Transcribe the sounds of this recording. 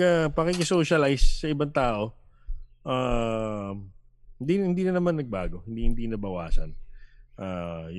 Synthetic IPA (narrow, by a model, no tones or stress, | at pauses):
ɐpɐkikɪsoːʃɐlajsːɐʔɪbaŋt̪aːʔo̞ | ʔaː | hɪnd̪inhɪnd̪iːnɐnɐmanːɐɡ̚baːɡo̞hɪnd̪ihɪnd̪inɐbɐwa̰ːsɐ̰nʔaːj